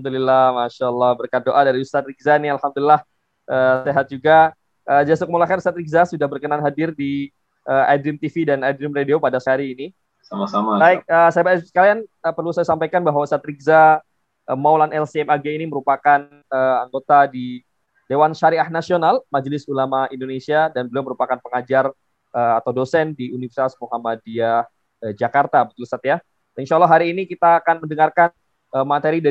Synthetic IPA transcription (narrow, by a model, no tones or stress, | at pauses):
mdulilahmaʃaəlːɔhbərkadoʔadaɾiust̪at̪̚ɾik̚zanialhamd̪ulilah | ʔəːseɦat̪̚d͡ʒuɡa | ʔəd͡ʒasokəmulahkanusat̪̚ɾik̚zasudahbərkənanɦadɪrdi | ʔəʔadɾɪmt̪ifidanadɾɪmrediopadasəɦaɾiːni | samasamabaik̚əsajabasə̥kalianəpərlusajasampajkanbaɦwaust̪at̪ɾik̚za | ʔəmawlanɛlsiɛmaɡeiniməɾupakan | əaŋɡot̪adi | dewanʃaɾiahnasionalmad͡ʒlɪsulamaindonesiadanbəlʊməɾupakanpəŋad͡ʒar | əat̪awdosɛndiunifərsit̪asmuɦamadia | əd͡ʒakart̪abət̪ulsat̪ja | inʃalːaɦaɾiːnikit̪aːkanməndəŋarkan | əmat̪eɾida